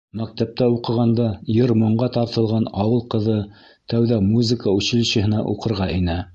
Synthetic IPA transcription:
mæk̚t̪æp̚t̪æuqɤ̆ʁɑnd̪ɑjɤɾmŏɴɢɑt̪ɑɾt̪ɤ̆lˠʁɑnɑwɤlˠqɤ̆ðɤ | t̪æwðæmuzɘ̆kəʉɕɘ̆lɕɘ̆hɘ̆nɑʔuqɤ̆ɾʁɑʔinæ

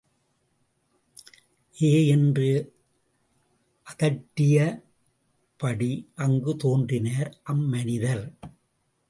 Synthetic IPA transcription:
ʔeːɛndrɯ | ʔɐðɐʈːɪjɐ | pɐɽiʔɐŋɡɯt̪oːndrɪnaːɾʔɐmːɐnɪðɐɾ

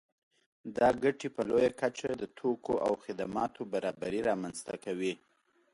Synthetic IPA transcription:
d̪ɑɡaʈepəlojakat͡ʃad̪ət̪ʰokoʔa̰wxɪd̪amɑt̪ʰobaɾɑbaɾiɾɑmanzt̪a̰kawi

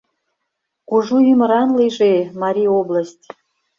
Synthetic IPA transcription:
kuʒuyməɾɑnlijʒemɑɾʲiobləsʲtʲ

